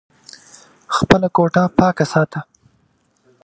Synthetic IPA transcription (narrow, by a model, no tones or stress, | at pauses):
xpəlakoʈapɑkasɑːt̪ʰa